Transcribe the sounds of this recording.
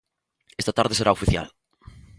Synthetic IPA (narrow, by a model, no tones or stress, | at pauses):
est̪at̪aɾðeseɾaofiθja̰l